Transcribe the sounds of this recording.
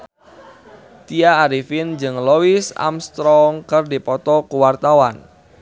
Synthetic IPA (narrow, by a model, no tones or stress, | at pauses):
t̪iaːɾifɪnd͡ʒɨŋlowisa̰mst̪ɾɔŋkərdipɔt̪ɔkuwart̪awan